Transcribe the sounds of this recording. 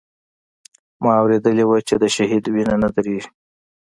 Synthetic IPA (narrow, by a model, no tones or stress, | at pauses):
mɑawɾed̪əlewat͡ʃed̪əʃaɦid̪winanad̪aɾeʒi